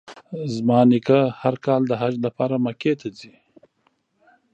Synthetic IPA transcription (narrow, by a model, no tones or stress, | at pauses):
zmɑːnikahaɾkɑːld̪əɦad͡ʒlapɑːɾamaket̪ʰazi